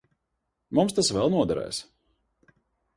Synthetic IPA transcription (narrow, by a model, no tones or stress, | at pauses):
mumst̪asvɛlˠnuɔd̪aɾɛ̰ːjs